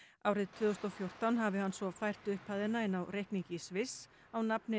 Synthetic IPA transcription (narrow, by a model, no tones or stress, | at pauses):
aːwɾɪðt̪ʰvʏːðʏst̪awfjowr̥t̪awnɦavɪɦanːsvɔfajr̥t̪ʏhpʰaðɪnaɪnawɾejhkniɲcɪsvɪs | awnapnɪ